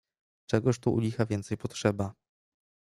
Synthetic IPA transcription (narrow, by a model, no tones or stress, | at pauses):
t͡ʂɛɡɔʂt̪uʔṵlʲixavʲjɛnt̪sɛjpɔt̪ʂɛba